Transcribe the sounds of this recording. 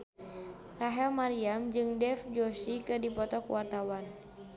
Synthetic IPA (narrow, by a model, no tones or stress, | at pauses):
raɦɛlmaɾiamd͡ʒɨŋdɛfd͡ʒɔʃikɨdipɔt̪ɔkwart̪awan